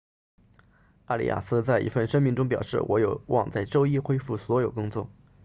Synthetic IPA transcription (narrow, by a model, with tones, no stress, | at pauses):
a˥˧lḭ˥˩ja̰˨˩sɹ̩˥t͡sa˥˩ɪʔḭ˧˥˩fə˥˩nʂə˥nmi˧˥ŋʈ͡ʂʊ˥ŋp̬jɑ˨˩ʊʂɻ̩̰˥˩wʔɔ˧˥jo˨˩ʊwʔɑ̰˥˧ŋt͡sa˥˧ɪʈ͡ʂo˥ʊi˥xwe˥ɪfu˥˩swɔ˧˥jo˨˩ʊkʊ˥ŋt͡swɔ̰˥˩